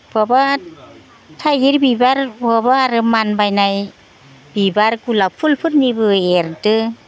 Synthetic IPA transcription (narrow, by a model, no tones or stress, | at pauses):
b̥ɔba | tʰajiɾbibaɾbɔbaɾɯmanbajnaj | b̥ibaɾkulawpʰulpʰɯɾnibɯeɾtɯ